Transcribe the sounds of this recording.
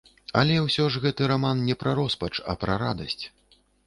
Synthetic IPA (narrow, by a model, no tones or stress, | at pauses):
ɐlʲɛwsʲɔʐɣɛt̪ɨɾamannʲɛpɾɐɾɔspɐt͡ʂɐ̰pɾɐɾad̪ɐsʲt͡sʲ